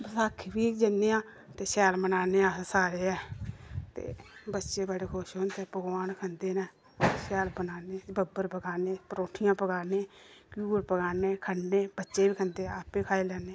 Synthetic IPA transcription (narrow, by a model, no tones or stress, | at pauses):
bəsaːkʰʋiːd͡ʒənːeːãː | t̪eːsɛːlmənaːneːaːsaːɾeːɛːt̪ḛːbətːʃeːbəɽeːkʰʊʃɦoːnt̪eːpəɡwaːnkʰənd̪eːnɛː | sɛːlbənaːneːbəbəɾpəɡaːneːpəɾoːʈʰɪjãːpəɡaːneːkjuːɾpəɡaːneːkʰənneːbətːʃeːʋiːkʰənd̪eːaːpiːkʰaːiːlɛːneː